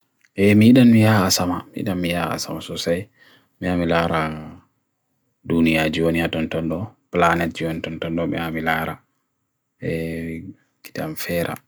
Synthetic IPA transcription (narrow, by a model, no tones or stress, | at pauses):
ʔɛmiɗanmijaːsamamiḭɗanmijaa̰samasɔsaj | miamilaɾa | dunijad͡ʒiwoniatɔntɔnɗɔplanɛtd͡ʒiwonitɔntɔnɗɔbɛ̰amilaːɾa | ɛ | ki̥tamfɛɾʔa̰